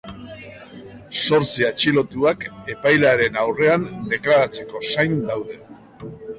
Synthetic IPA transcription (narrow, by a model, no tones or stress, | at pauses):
so̞ɾt͡siat͡ʃilo̞t̪uake̞pajlaɾe̞nawre̞and̪e̞klaɾat͡se̞ko̞sajnd̪awðe̞